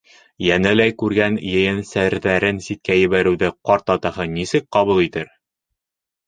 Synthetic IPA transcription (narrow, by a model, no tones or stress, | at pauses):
jænælæjkʉɾɡænjɘ̆jɘnsæɾðæɾɘnsit̪̚kæjɘ̆βæɾɘ̆wðɘqɒɾt̪ɑt̪ɤ̆hɤnisɘk̚qɑβulˠit̪ɘɾ